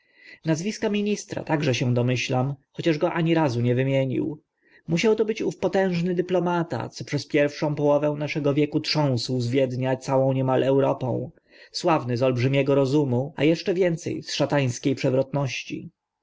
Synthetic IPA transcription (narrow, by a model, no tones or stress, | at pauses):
nazvʲiskamʲiɲist̪ɾa̰t̪aɡʐɛɕɛ̃d̪ɔmɘɕlamxɔt͡ɕaʐɡɔʔaɲiɾazuɲɛvɘmʲjeɲḭw | muɕawt̪ɔbɘt͡ɕufpɔt̪ɛ̃w̃ʐnɘd̪ɘplɔmat̪a̰t̪sɔpʂɛspʲjɛɾfʂɔ̃w̃pɔwɔvɛw̃naʂɛɡɔvʲjɛkutʂɔ̃w̃swzvʲjɛd̪ɲat̪sawɔ̃w̃ɲɛmalʔɛwɾɔpɔ̰̃w̃ | swavnɘzɔlbʐɘmʲjɛɡɔɾɔzumua̰jɛʂt͡ʂɛvʲjɛnt̪sɛ̰jsʂat̪aj̃skʲejpʂɛvɾɔt̪nɔɕt͡ɕḭ